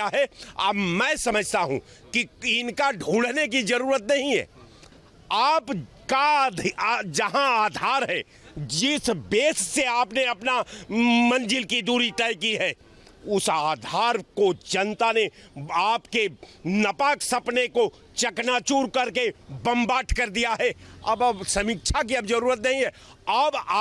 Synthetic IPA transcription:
aɦɛa̰bmɛ̃ːsɐməd͡ʒʱt̪aɦṵ̃ | kiɪnkaɖʱuːɽnek̬id͡ʒɐɾuːɾət̪nɐɦĩɦɛ̰ː | aːp | kad̪d͡ʒɐɦãaːd̪ʱaːɾɦɛː | d͡ʒɪsbeːsːeaːpneɐpnamɐ̃nd͡ʒɪlkid̪uːɾit̪ɛːjkiɦɛː | ʊsaːd̪ʱaːɾkod͡ʒɐ̃nt̪aneaːpkenɐpaːksɐpneko | t͡ʃɐknat͡ʃuːɾkɐɾkebɐ̃mbaːʈʰkɐɾd̪ijaɦɛɐ̰bəsɐmɪkʃʰakiɐbd͡ʒɐɾuːɾət̪̬nɐɦĩɦɛ | ɐbaː

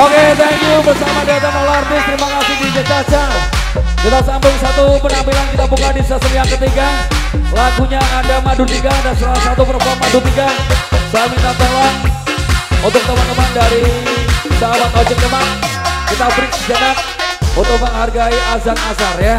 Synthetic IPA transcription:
oket̪ɛŋkjubərsamadat̪analaart̪ɪst̪əɾimakasɪdid͡ʒət͡ʃat͡ʃa | sid̪asambʊŋsat̪upənampilankit̪abukadisəsəɾiaŋkət̪iɡa | laɡuɲaːdamadunt̪iɡadansəlalahsat̪upərfɔmadut̪iɡabamint̪at̪olɔŋ | unt̪ʊk̚t̪əmant̪əmandaɾi | it̪awat̪od͡ʒək̚t̪əmankit̪abɾɪk̚d͡ʒənat̪̚unt̪ʊk̚məŋɦarɡaiʔazak̚nasarja

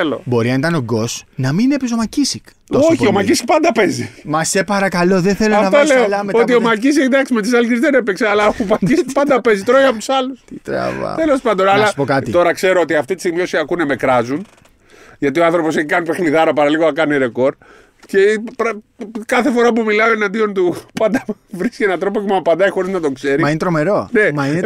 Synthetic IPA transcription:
elo̰bo̞ɾiɐnit̪ɐno̞ɡo̞snɐminepes̬o̞mɐcisikt̪osoçiomɐcisi̥k̚pɐnd̪ɐpe̞zimɐse̞pɐɾɐkɐlo̞ðeθe̞lonfɐvt̪leolɐmeot̪̬iomɐcis̬ikd̪ɐksimet̪̬isɐlikezðenepekseɐlɐxupɐc̪isikpɐnd̪ɐpe̞zit̪ɾojɐpot̪u̥sɐlust̪it̪ɾɐ̰vɐ̰t̪elo̞spɐnd̪onɐlɐsspokɐt̪it̪o̞ɾɐkse̞ɾoot̪iɐft̪it̪i̥simio̞siɐkuneme̞kɾɐzun | ʝɐt̪io̞ɐnθɾo̞po̞s̬eçikɐnipe̞xniðɐɾɐpɐɾɐliɣoɐkɐniɾe̞ko̞ɾ | ce̞pɐkɐθe̞fo̞ɾɐpumilɐoenɐnd̪io̞nt̪upɐnd̪ɐ | vɾiscienɐt̪ɾo̞pocempɐnd̪ɐixo̞ɾiznɐt̪o̞kse̞ɾimɐint̪ɾomeɾone̞mɐine

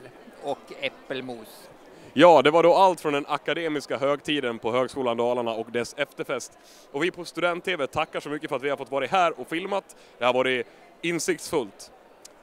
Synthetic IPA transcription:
ɔkɛpːəlmuːs | jɑːd̪ɛvaɖɔalt̪fɾɔnd̪ɛnakːad̪eːmɪskaɦøːɡt̪ʰiːd̪ənpʰɔɦøːɡskuːland̪ɑːlaɳaɔkd̪ɛsɛft̪əɾfɛst̪ | ɔvɪpʰɔst̪ɵd̪ɛnt̪ʰːeːvɛt̪ʰakːaʂɔmʏkːəfœɾat̪vɪhadɾfɔt̪ːvɑːɾɪɦæːɾɔfɪlmat̪ | d̪ɛhæɾvɑːɖɛ | ɪnsɪk̚t̪sfɵlt̪

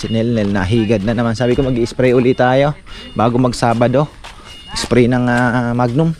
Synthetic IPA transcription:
sɪnɛlnɛlnɐɦiːɡɐd̪̚nɐnɐmansaːbɪkomɐɡiʔɪspɾɛʔʊlɪt̪aːjo̞baːɡomɐɡsaːbɐd̪o̞ | ʔɪspɾɛjnɐŋamaɡ̚nʊm

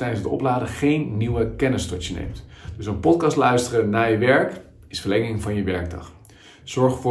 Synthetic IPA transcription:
tɛjdənsdəɔ̰plaːdəχejnːiwəkɛnɪstɔtjənḛjmtd̥ɵsənpɔtkɑstlœɥstərənaːjəʋɛɹk | ɪsfəɹlɛŋɪŋvɑnjəʋɛɹɡ̚dɑ̰χ | z̥ɔɹχfʊː

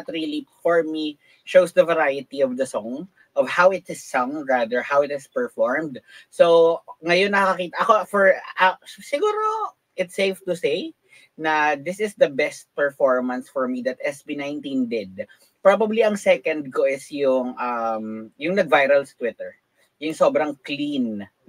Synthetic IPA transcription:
t̪ɾilifɔɹmi | ʃowsd̪ɐvɛɾajɪt̪iɔvd̪ɐsɔ̃ŋ | ʔɔvhawɪt̪ɪsːɔ̃ŋɹad̪əɹhawɪt̪ɪspɛɹfɔɹmd̪sowŋɐjonːɐkɐkɐkiːt̪ɐʔɐkofɔɹɐsɪɡuːɾo | ʔɪt̪sejft̪ʊsej | nɐd̪ɪsɪsd̪ɐbɛst̪̚pɛɹfɔɹmɐnsfɔɹmid̪ɐt̪̚ɛsbinajnt̪ind̪ɛd̪̚ | pɹabɐbliɐŋsɛkɐnd̪̚koʔɪsjʊŋʔɐmjʊŋnɐɡ̚vajɾɐlst̪wɪt̪ɛɹ | jʊŋso̞ːbɾɐŋklĩn

